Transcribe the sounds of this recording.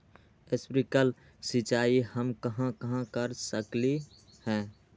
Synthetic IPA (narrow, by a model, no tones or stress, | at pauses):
ɪspɾikəl | sɪt͡ʃaːihəmkəɦãkəɦãkəɾsəkle | hɛ̃ː